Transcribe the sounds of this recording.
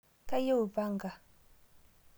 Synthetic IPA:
kʼa˦je˦u˨va˦ŋɡa˨

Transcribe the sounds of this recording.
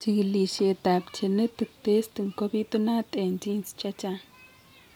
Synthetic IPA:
t͡ʃi˨ɡli˨ʃe˨t̪a˨pt͡ʃe˨nə˦t̪ɨ˨t̪e˦st̪ɨ˨ŋko˦bi˦t̪u˦na˦t̪ʼe˨nd͡ʒi˦nst͡ʃa˦t͡ʃa˦

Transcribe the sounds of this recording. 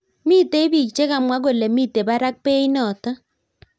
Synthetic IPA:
mi˦te˦i˦bi˨kt͡ʃe˦ka˨mwa˦k̬o˨le˨mi˦te˨ba˦ɾa˦k̚pe˦i˦nɔ˨tɔ˦

